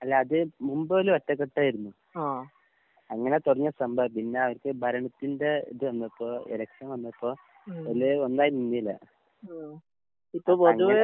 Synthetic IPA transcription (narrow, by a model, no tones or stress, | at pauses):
ɐlːaːðɨmumbɐoluʋɐtːɐkːeʈːaːjiɾunːu | a | ɐŋːɐnet̪urɐɲːɐsɐmbʱɐʋpinːeɐʋɐɾkɨbʱɐɾɐɳɐt̪ːindeḭðɨʋɐnːɐpːoːelɐkʂɐnʋɐnːɐpːoː | olɨonːaːjinnunːilːɐ̰ | ipːoːpoɐŋuʋ